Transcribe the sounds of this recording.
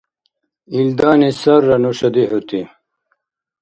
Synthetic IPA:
ild̪aːnesɐɾːɐnoɕɐd̪ihut̪i

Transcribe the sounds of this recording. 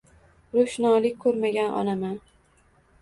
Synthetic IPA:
ɾoʃnɒlɪkʲkʰɵɾmaɡʲanʔɒ̰naman

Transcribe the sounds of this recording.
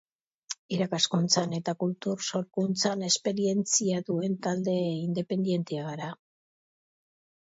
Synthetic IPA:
iɾakaskunt͡sane̞t̪akult̪uɾso̞ɾkunt͡sane̞spe̞ɾie̞nt͡siaðue̞nt̪ald̪e̞ind̪e̞pe̞nd̪je̞nt̪eaɣaɾa

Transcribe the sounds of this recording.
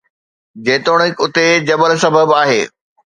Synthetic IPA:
d͡ʑeːt̪oːɽ̃ɪkʊt̪ed͡ʑɐbəlsɐbʱəbaːɦeː

